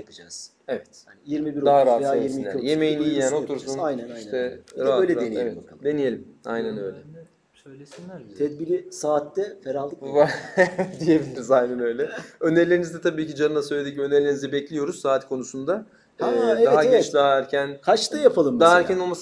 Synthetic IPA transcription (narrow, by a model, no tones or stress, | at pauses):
akʰɯd͡ʒaz̥ | evɛt̪ajiɾmibiɾod̪aɦaɾajiɾsminːʲɾje̞mejinijijæno̞t̪ʰuɾsunajnɛnaijʃt̪ʰɛɾaøjlʲɛenijevɛ̰bak̪d̪e̞nije̞lʲima̰jnænø̰jlʲɛ | søjlʲesinlʲæɾt̪ʰɛd̪bilʲisaːt̪ːɛfeɾalˠvad̪ijebilʲiɾizajnænø̞jlʲɛø̞neɾlʲe̞ɾinizd̪ɛt̪ʰabiːcid͡ʒanɯnˠasøjled̪icimø̞neɾlʲeɾnizd̪ɛbɛclʲijo̞ɾuz̥saːt̪kʰo̞nusund̪a | aːaaet͡ʃd̪aæɾcʰænkʰat͡ʃd̪ajapʰalˠɯmd̪aæɾcʰænnolˠmas